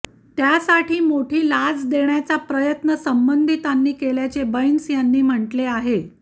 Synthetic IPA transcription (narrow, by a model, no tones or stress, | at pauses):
t̪jasaʈʰiːmoʈʰiːlad͡zd̪eɳjat͡sapɾəjət̪nəsəmbənd̪ʱit̪anːiːkeljat͡sebəjnsjanːiːm̤əɳʈleaɦe